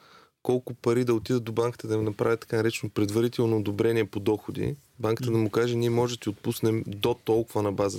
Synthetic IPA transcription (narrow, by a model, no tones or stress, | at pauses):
kɔlˠkʊpɐɾid̪ɐot̪id̪əd̪obaŋkə̥t̪əd̪ɐnɐpɾavʲjət̪ɐ̥kanɐɾɛt͡ʃɛnopɾɛd̪vɐɾit̪ɛlˠnoːd̪obɾɛniɛpod̪ɔxod̪ḭ | baŋkət̪əd̪ɐmukaʒɛniɛmɔʒɛdt̪ʲɛot̪̚pusnɛmd̪ot̪ɔlˠkʊvənɐbazə